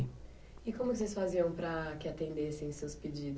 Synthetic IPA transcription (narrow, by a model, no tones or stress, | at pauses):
ɪkõmʊkɪsesfaziɐ̃w̃pɾɐkɪat̪ẽnd̪esẽj̃sewsped͡ʒid̪